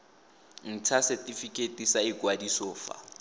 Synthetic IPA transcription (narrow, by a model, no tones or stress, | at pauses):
n̩tʰasɛtʼifikʼetʼisaɪkʼwadisɔːfa̰